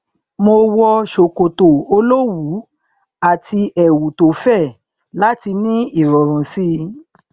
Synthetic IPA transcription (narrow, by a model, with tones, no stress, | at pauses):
mo˧wɔ˧ʃo˨ko˨to˨o˧lo˦wu˨˦ | a˦˨tʰi˧ʔɛ˨wu˨to˨fɛ˦˨ | la˦ti˧nĩ˦i˦˨ɾɔ˨ɾ̃ɔ̃˨si˦